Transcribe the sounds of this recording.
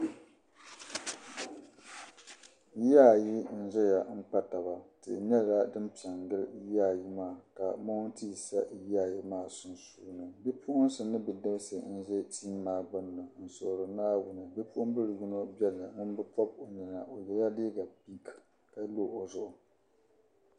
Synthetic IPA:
ja˦˨ji˦n̩˦ʒɛ˦ja˨ŋ͡m̩˦k͡pa˦ta˨ba˨tɨ̰˨ɲɛ˦˨la˦dɨ˦mpi˨a˨ŋɡɨ˦ljaː˦˨ji˦maː˦˨ka˨mo˦n˦ti˦ji˨sa˦jaː˦˨ji˦maː˦˨sʊ˦nsuː˦nɨ˨bɛ˦pʰʊ˦ʔʊ˦nsɨ˨nɨ˦bɨ˨dɨ˦bsɨ˨n̩˦ʒɛ˦tiː˦mː˦aː˦˨ɡ͡bɨ˦nːɨ˨n̩˨so˨ɾɨ˨naː˦wʊ˦nɨ˨bɛ˦pʊ˦ʔʊ˦m˦bɨ˦lɨ˨ɡu˦no˦bɛ˦lɨ˨mʊ˦n˦bɨ˦pɔ˦b̚o˨ɲɛ˨na˨ʔo˨jɛ˨ja˦li˦ɡa˨pi˦k | ka˨˦loː˦˨ʔo˨zʊ˦ʔʊ˨

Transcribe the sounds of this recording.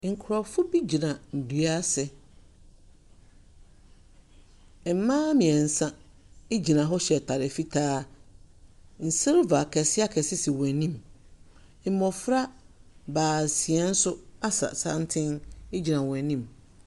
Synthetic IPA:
ŋ̩˨kʰʊ˨ɾɔ˨fʊ˦bi˦d͡ʑi˨nã˨n̩˨du˨a˦sɛ˨˦ | mãː˦mĩ˨ɛ˨n̩˨sã˦ | e˦d͡ʑi˨nã˨ɦɔ˦ɕɛ˨tʰa˨ɾɪ˨fi˦tʰaː˦ | n̩˨sɛ̃˦ɾva˨kʰɛ˨sɪ˦a˦kʰɛ˨sɪ˦sɪ˨wɛ̃˨nĩ˦m̩˦ | mɔ̃˨fɾa˦baː˨si˨ɛ˦n̩˦sʊ˦a˦sa̰˨sã˦n˦tʰɪ̃˦ne˦d͡ʑi˨nã˨wɛ̃˨nĩ˦m

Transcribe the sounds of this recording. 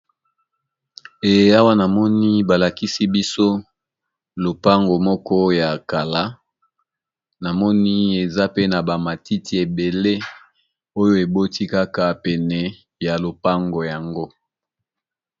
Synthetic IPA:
e˨je˦a˦wa˦na˨mɔ˦ni˦ba˨la˨ki˦si˦bi˦so˦ | lo˨pa˦ŋɡo˨mɔ˦kɔ˦ja˨ka˨la˦ | na˨mɔ˦ni˦e˨za˦pe˦na˨ba˨ma˨ti˦ti˨e˨be˨le˦ | o˦jo˦e˨bo˦ti˦ka˦ka˨pɛ˨nɛ˨ | ja˨lo˨pa˦ŋɡo˨ja˨ŋɡo˦

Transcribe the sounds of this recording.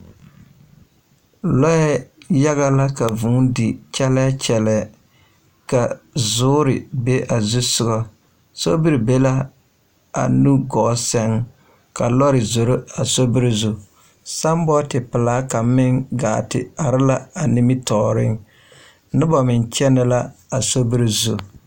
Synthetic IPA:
lɔ˦ɛ˦ja˦ɣa˦la˦ka˨vʊ˨˦ŋdɪ˨t͡ʃɛ˦lɛ˦t͡ʃɛ˨lɛ˨ | ka˨zʊː˦ɾɪ˨be˦ʔa˨zu˦sʊ˦ɡɔ˦ | so˦bɪ˦ɾi˨be˦la˦ | a̰˨nu˦ɡɔ˨˦sɛ˦ŋ | ka˨lɔ˦ɾɪ˨zo˨ɾo˦a˨so˦bɪ˦ɾɪ˦zu˨ | sa˦mbɔ˦tɪ˨pɪ˨laː˨˦ka˨mɪ˦ŋɡa̰ː˨tɪ̰˨a˨ɾɪ˦la˦a˨ni˦mi˦tɔː˨ɾɪ˦ŋ | nɪ˦bɔ˨mɪ˨nt͡ʃɛ˦nɛ˦la˦a˨so˦bi˦ɾi˨zu˨

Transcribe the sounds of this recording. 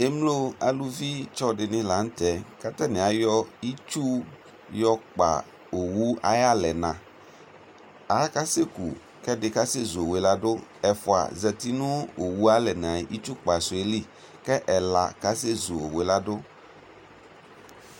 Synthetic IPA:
e˦mlo˦a̰˨lu˦vi˦t͡ʃɔ˦ɖɪ˨nɪ̃˦la˨ŋ̩˦t̪ɛ˨ka˦t̪ɛ˦nẽ˨a˨jɔ˦i˦t͡ʃu˦ | jɔ˦k͡pa̰˨ | o˨wu˦a̰˦ja˦lɛ˨nã˨ | a˨˦ka˦se˦kṵ˨ | kɛ˦dɪ˨ka˦se˦zo˨we˨la˦do˦ɛ˨fo˨a̰˨zɛ˨t̪i˦nũ˦o˨wu˦a˦lɛ˨nã˨˦ʔi˦t͡ʃu˦k͡pa˨so˨e˨li˦ | kɛ˦ʔɛ˨la̰˨ka˦se˦zo˨o̰˨we˨la˦do˦

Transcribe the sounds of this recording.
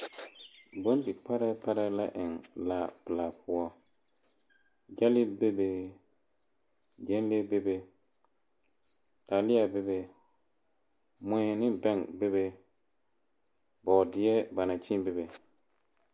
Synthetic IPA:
bo˦n˦di˨pa˦ɾɛ˦pa˦ɾɛ˦la˦ʔɪ˨ŋla˨pɨ˨la˨pʊ˦ɔ˦ | d͡ʒa˦lɪ˦be˦be˦ | d͡ʒɛ˦n˦le˦be˦be˦ | ta˨lɪ˦a˨be˦be˨ | mʊ˨˦ɛ˨nɪ˦bɛ˦ŋbe˦βe˦ | bɔ˨dɪ˨˦ɛ˦ba˨na˨t͡ʃĩ˦be˦be˨

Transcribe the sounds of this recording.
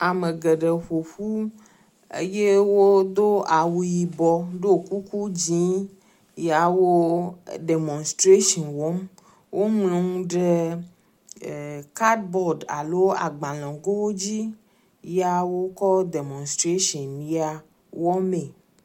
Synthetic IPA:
a˨me˨ɡe˨ɖe˨ɸo˨ɸu˦ | ḛ˦je˦wo˦d̪o˦a˨wu˨ji˨bɔ˦ɖo˦˨ku˦ku˦d͡ʑĩ˦ | ja˨wo˦ɖe˨mɔ̃˨nst̪ɾe˦ʃɔ̃˨nwɔ˨˦m | wʔo˦mlõ˨ŋũ˦ɖe˦˨ | ka˦dbɔ˦ɖa̰˨lo˦a̰˨ɡ͡bã˨lɔ̃˨ɡo˦wo˦d͡ʑi˦ | ja˦wo˦kɔ˦de˨mɔ̃˨nst̪ɾe˦ʃɔ̃˨nmĩ˨˦a˨ | wɔ˦me˨

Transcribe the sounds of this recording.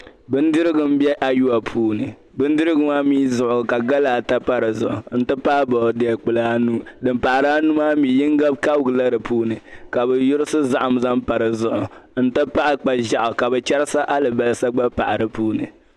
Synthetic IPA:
bɨ˦n˦dɨ˦ɾɨ˦ɡɨ˦m˦bjɛ˦ʔa˦ju˦a˨pʰuː˦nɨ˨ | bɨ˦n˦dɨ˦ɾɨ˦ɡɨ˦ma˦miː˦zʊ˨ʔʊ˨ka˨ɡa˦laː˨ta˦pa˦ɾɨ˨zʊ˨ʔʊ˨n̩˦tɨ˦paː˦bɔ˨dɛ˨ɛ˨k͡pɨ˨la˦nu˦dɨ˨mpa˨ʔa˨ɾaː˦nu˦maː˦mi˨ji˦ŋɡa˦b̚ka˦bɡɨ˨la˦ɾɨ˨puː˦nɨ˨ka˨bɛ˨jʊ˦ɾɨ˦sɨ˦za˦ʔa˨mza˦mpa˨ɾɨ˨zʊ˨ʔʊ˨n̩˦tɨ˦pa˦ʔa˦k͡pa˦ʒa˨ʔʊ˨ka˨bɛ˨t͡ʃɛ˦ɾɨ˦sa˦ʔa˦lɨ˨ba˦lɨ˦sa˦ɡ͡ba˦pa˨ʔa˨ɾɨ˦puː˦nɨ˨

